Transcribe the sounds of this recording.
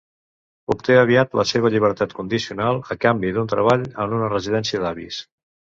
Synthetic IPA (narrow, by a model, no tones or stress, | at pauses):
upt̪eəβiat̪ləseβ̞əʎiβ̞əɾt̪at̪kund̪isiunalˠəkambiðunt̪ɾəβaʎənunərəziðɛnsiəðaβḭs